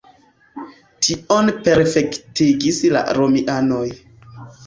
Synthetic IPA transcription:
tʰionpe̞ɾfe̞ktiɡisla̰ɾomiʔano̞j

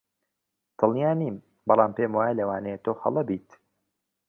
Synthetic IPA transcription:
t̪ʰɨlˠjaːniːm | bɑlˠɑːmpemwaːjalɐwaːnɛjet̪ʰoːxɐ̰lˠɐbiːt̪

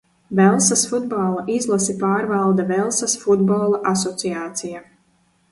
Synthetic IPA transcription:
vɛlˠsasfud̪balˠaʔizlˠasipaːɾvalˠd̪avɛlˠsasfud̪bɔlˠaʔasɔt̪siaːt̪sija

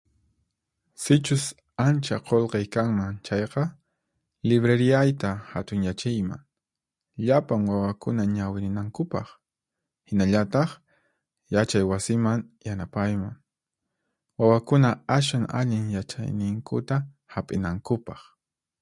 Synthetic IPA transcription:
sɪt͡ʃʊs | ant͡ʃaqolqɑjkaŋmaŋt͡ʃɑjqɑ | lɪβɾeɾɪajt̪ahat̪ʊŋjat͡ʃɪjma̰ŋ | ʎapaŋwawakʊnaɲawɪɾɪnaŋkʊpɑ̰χ | hɪnaʎat̪ɑχ | jat͡ʃajwasɪmaŋjanapajmaŋ | wawakʊnaas̬waŋa̰ʎɪŋjat͡ʃa̰jnɪŋkʊ̰t̪a | hapʼɪnaŋkʊpɑχ

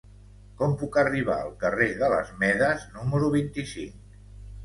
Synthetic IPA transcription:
kɔmpukəriβ̞a̰əlˠkəreðələ̰zmɛðəznuməɾuβ̞int̪isiŋk

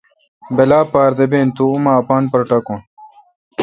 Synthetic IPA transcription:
belaːpaːɾd̪ebeːnt̪uumaːpaːnpɐɾʈɐkõn

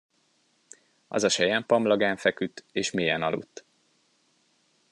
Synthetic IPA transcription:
ɒ̰zɒʃɛjɛmpɒmlɒɡaːɱfɛkyt̪ːeːʃmiːjɛnɒlṵt̪ː

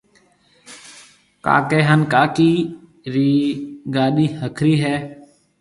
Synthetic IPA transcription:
ka̰ːkeːɦənkaːkiː | ɾiːɡaːɗiːhəkʰɾiːɦɛː

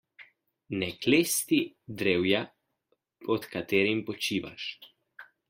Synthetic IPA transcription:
nɛkleːst̪id̪ɾewja | pɔt̪kat̪eːɾimpɔt͡ʃiːʋa̰ʃ

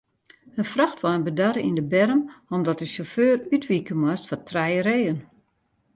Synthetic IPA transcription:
ənfrɔxtʋɔənbədaɾəindəbɛrəmɔmdɔtəʃoføːrytʋikəmwastfɔtʰrɛjəɾeːən

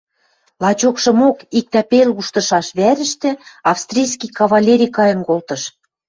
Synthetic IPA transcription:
lˠɑt͡ɕokʃɤ̆mokik̚t̪æpeluʃt̪ɤ̆ʃɑʃβæɾɘ̆ʃt̪ĕɑfst̪rʲijskijkɑβɑlʲeɾʲijkɑjɤ̆nkolt̪ɤ̆ʃ

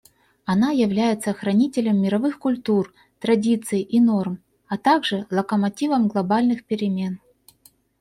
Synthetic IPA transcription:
ɐnajɪvlʲæjɪt̪səxɾɐnʲitʲɪlʲəmːʲɪɾɐvɨxkʊlʲt̪ur | t̪ɾɐdʲit̪sɨjɪʔinorm | ɐt̪aɡʐɨlˠəkəmɐtʲivəmɡlˠɐbalʲnɨxpʲɪɾʲɪmʲe̞n

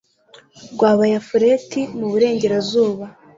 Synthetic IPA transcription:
ɡwaːβajafuɾetimuβuɾe̞ːɲɟe̞ɾazuːβa

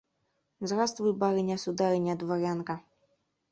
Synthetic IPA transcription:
zrast̪vɨbaɾɨnʲɛsud̪aɾɨnʲɛd̪vaɾʲankɐ

